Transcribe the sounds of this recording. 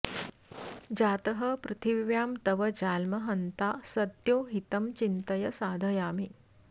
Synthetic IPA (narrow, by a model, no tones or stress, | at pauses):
d͡ʒaːt̪ɐɦɐpɾɨt̪ʰiʋjaːmt̪ɐʋɐd͡ʒaːlmɐɦɐnt̪aːsɐt̪joːɦit̪ɐmt͡ʃint̪ɐjɐsaːd̪ʱɐjaːmi